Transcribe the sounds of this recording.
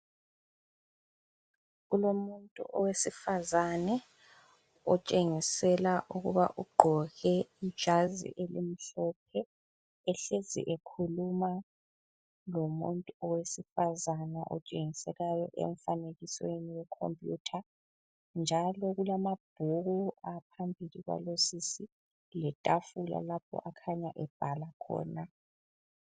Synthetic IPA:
ɣulomuntʼṵʔɔwesifazanɛ | ɔt͡ʃʼeŋisɛlaʔuɣuβaʔuɡ͡ǃʱɔɣɛi̥ʒ̥ʱazḭʔelḭm̩ɬɔp̚ʰɛ | ɛɬezḭʔekʰuluma | lomuntʼuɔwesifazana̰ʔɔ̰t͡ʃʼeŋisɛɣajɔ̰ʔɛ̰ɱfaneɣisweniwɛkʰo̰mpʼjṵtʰa | nd͡ʒʱalɔɣulamab̥ʱuɣuapʰambʱiliɣwa̰losisi | lɛtʼafula̰lapʰɔ̰ʔakʰaɲaʔɛb̥ʱalakʰɔ̰ːna

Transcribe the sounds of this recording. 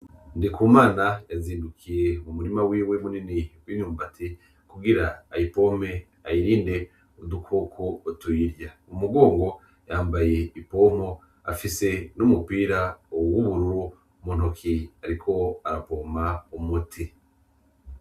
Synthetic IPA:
ndikʰuːmaːnajaziːndukʰije̞mumuɾimawiːwe̞muniniɡwiɲuːmbatʰi | kuɡiɾaːjipo̞me̞ | ajiɾiːnde̞ | odukʰokʰoːtujiɾjaumuɡo̞ːŋɡo̞ | jaːmbaje̞ipo̞mo̞ | a̰fise̞numupiːɾaowuβuɾu | mun̥okʰiaɾikʰo̞aɾapo̞maumutʰi

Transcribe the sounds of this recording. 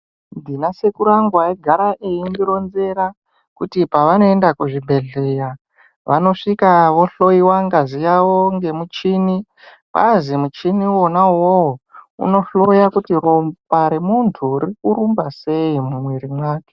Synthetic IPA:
ndinase̞kuɾaŋɡwaeɡʱaɾaʔeindiɾo̞nze̞ɾa | kutipaʋano̞endakuʐibʱe̞ɮeja | ʋano̞ʂikaʋo̞ɬo̞iwaŋɡazijawoŋɡe̞mut͡ʃini | pa̰zimut͡ʃiniwonawoṵno̞ɬojakutirompaɾe̞muntʰurikuɾumbase̞imumwiɾimwaːke̥

